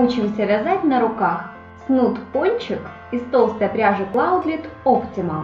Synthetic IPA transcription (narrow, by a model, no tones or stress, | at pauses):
ut͡ɕɪmsʲɐvʲazatʲnɐɾʊkax | snut̪ponʲt͡ɕɪk | ist̪olˠst̪əjɐpɾʲaʐɨklˠaʊd̪lʲit̪optʲɪmə